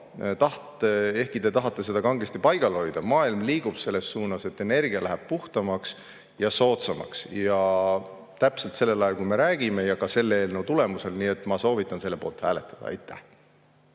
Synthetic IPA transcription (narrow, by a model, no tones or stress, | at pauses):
t̪ɑht̪ee̞hkit̪e̞t̪ɑɦɑt̪ːˑe̞se̞d̪̥ɑkɑŋɡ̥est̪ipɑjɡ̥ɑlo̞jd̪̥ɑmɑːilmliːɡ̥ub̥se̞lːe̞sːuːnɑse̞t̪ːˑe̞ne̞rɡ̥iɑlæɦæb̥̚puht̪ɑmɑks | jɑso̞ːt̪sɑmɑ̰ksjɑ | t̪æpselt̪se̞lːe̞lɑjɑlkujme̞ɾæːɡ̥ime̞jɑkɑse̞lːee̞ːlnowt̪ule̞muse̞lnie̞t̪ːˑmɑso̞ːvit̪ːˑɑnse̞lːe̞po̞ːlt̪hæːle̞t̪ːˑɑ̥d̥̪ɑ̰ɑ̰jt̪ʰːæ̰h